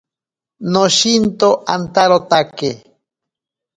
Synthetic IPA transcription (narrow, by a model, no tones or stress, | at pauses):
noʃint̪oʔant̪aɾot̪ake